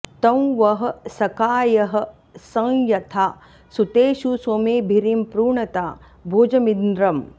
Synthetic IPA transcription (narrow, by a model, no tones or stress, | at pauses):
t̪ɐ̃w̃ʋɐɦɐ̆sɐkaːjɐɦɐ̆ | sɐ̃ŋjɐt̪ʰaː | sut̪eːʃuswɐmeːbʱiɾimpɾuːɳɐt̪aː | bʱoːd͡ʒɐmind̪ɾɐm